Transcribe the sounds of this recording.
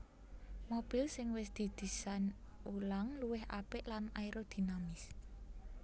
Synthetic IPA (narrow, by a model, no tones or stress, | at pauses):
mob̥i̤lsɪŋwɪs̬d̪̥i̤d̪̥i̤sanulaŋluwɪhʔa̰pɪʔlanaiɾod̪̥i̤namɪs